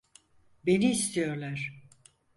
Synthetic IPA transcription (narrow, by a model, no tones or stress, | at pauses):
be̞niːst̪ʰijo̞ɾlˠaɾ̥